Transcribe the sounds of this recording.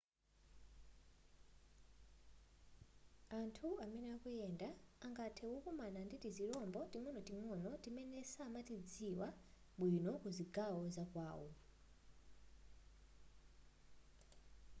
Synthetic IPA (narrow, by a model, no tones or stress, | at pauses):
antʰuamɛnɛakujɛndaːŋɡatʰɛwɔkumananditiziɾɔmbɔtiŋɔnɔtiŋɔnɔtimɛnɛsamatid͡ziwa | ɓwinɔkuziɡawɔzakwaːwɔ